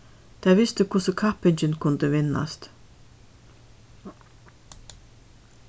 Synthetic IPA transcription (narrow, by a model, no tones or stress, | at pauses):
t̪ʰæːʋɪst̪əkʰʊsəkʰapɪnt͡ʃɪnkʰʊnd̪əʋɪnːa̰st̪